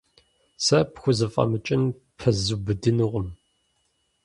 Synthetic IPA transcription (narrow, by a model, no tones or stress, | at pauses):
sɐpxʷʊzɨfʼɐ̰mɨt͡ʃʼɪn | pʰɐzubɨdɨnɨʁʷʊm